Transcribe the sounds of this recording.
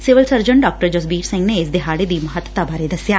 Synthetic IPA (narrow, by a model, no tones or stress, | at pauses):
sɪʋəlsəɾd͡ʒəɳɖɔːk̚ʈəɾd͡ʒəs̬biːɾsɪ̃ŋɡneɪsd̪ɪɦaːɽed̪iːməɦət̪ːət̪abaːɾed̪əsjaː